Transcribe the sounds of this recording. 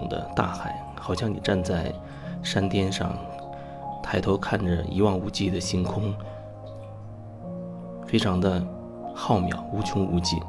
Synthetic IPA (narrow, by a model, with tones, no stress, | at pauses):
ŋd̪ə̰˧˦t̪a̰˥˩xa˨˩˦ɪ | xɑ˨˩ʊɕjɑ˥˩ŋni˨˩ʈ͡ʂa˥˧nt͡sa˥˩ɪ | ʂa˥nt̪jɛ˥nʂɑ̰˥˧ŋ | t̪ʰa˥˩ɪt̪ʰo˧˥ʊkʰa˥˩nʈ͡ʂə˩ḭ˧˥wɑ˥˩ŋu˧˥t͡ɕi˥˩d̪ə˩ɕi˧˥nkʰʊ˥ŋ | fe˥ɪʈ͡ʂʰɑ˧˥ŋd̪ə˧ | xɑ˥˩ʊmjɑ̰˨˩˦ʊu˧˥t͡ɕʰy˧˥ŋṵ˧˥t͡ɕḭ˥˩